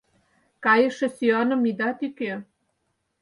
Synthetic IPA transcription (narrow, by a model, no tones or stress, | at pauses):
kɑjə̆ʃĕsyɑnɤ̆mid̪ɑt̪ike